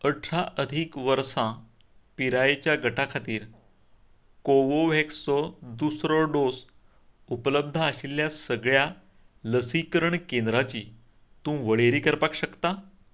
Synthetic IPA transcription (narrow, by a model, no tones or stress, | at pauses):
əʈʰɾaʔəd̪ʱiːkʋəɾsã | piɾajet͡ɕjaɡəʈʰakʰat̪iːɾ | koʋoʋekst͡sɔd̪usɾɔɖos | upləb̚d̪ʱaəɕilːjasəɡɭja | ləsikəɾəɳkend̪ɾat͡ɕiː | t̪ũːʋəɭeɾiːkəɾpakɕəkt̪a